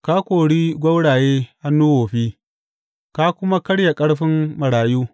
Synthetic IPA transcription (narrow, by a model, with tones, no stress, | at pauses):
ka˦kʷoː˨ɽiː˦ɡʷɐ˦wɽaː˨jeː˦ha˦nːuː˦woː˨ɸiː˦ | ka˦kʷʊ˦ma˦kɐ˦ɽja˨kʼɐ˦ɽɸɪ˦mmɐ˨ɽaː˨juː˦